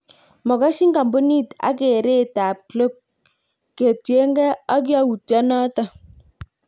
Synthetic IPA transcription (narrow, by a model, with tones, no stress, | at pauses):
mɔ˨ka˦ʃi˦ŋɡa˨mbu˦ni˦ta̰˦k̬e˨ɾe˦˨ta˨p̚klo˦˨p̚ | ke˨tje˦ŋɡɛ˦ɔ˦k̬ja˦wu˨tɔ˦nɔ˦ta˨